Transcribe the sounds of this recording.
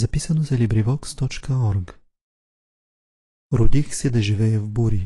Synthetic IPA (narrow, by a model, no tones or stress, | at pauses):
zɐpisɐnozɐlibɾivɔkst̪ɔt͡ʃkəɔɾk | ɾʊd̪ixsɛd̪ɐʒivɛɛvbuɾi